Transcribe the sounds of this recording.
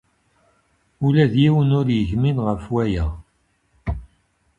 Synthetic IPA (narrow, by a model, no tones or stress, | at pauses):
ulæðjiwənʊɾjəʝminʁəfwæjæ